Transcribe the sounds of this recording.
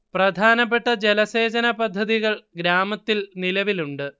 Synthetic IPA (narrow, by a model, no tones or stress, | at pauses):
prɐd̪ʱaːnɐpːe̞ʈːɐd͡ʑelɐse̞ːd͡ʑɐnɐpɐd̪ʱːɐðiɣɐɭɡɾaːmɐt̪ːilnilɐʋiluɳɖɨ